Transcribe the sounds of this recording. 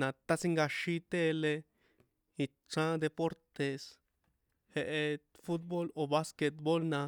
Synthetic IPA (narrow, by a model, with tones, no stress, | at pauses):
nã˧t̪a˧si˦ŋɡa˧ʃi˦˧t̪e˦˧le˧ | i˧ | t͡ʃã˦d̪e˧po˦ɾt̪e˧s | he˧ʔe˧fu˦t̪̚bo˦lo˧βa˦ske˧t̪bo˦lnã˧